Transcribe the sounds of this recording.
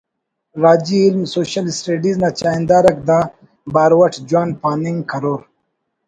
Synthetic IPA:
ɾaːd͡ʑiilmsoːɕɐlisʈeːɖiznat͡ʃaːind̪aːɾɐk̚d̪aː | baːɾwɐʈʰd͡ʒwaːnpaːniŋɡkɐɾoːɾ

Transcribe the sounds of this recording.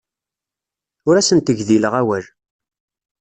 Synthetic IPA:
ʊɾæsənt̪əʝðiləʁæwæl

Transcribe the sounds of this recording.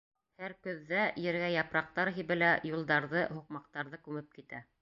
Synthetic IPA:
hæɾkɵ̆ðːæjɘ̆ɾɡæjɑpɾɑq̚t̪ɑɾɦiβɘ̆læjulˠd̪ɑɾðɤhuq̚mɑq̚t̪ɑɾðɤkʉmɘp̚kit̪æ

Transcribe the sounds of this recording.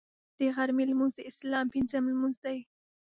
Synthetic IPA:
d̪̥eɣaɾmilmʊnzd̪eɪslɑːmpɪnzamlmʊnzd̪aj

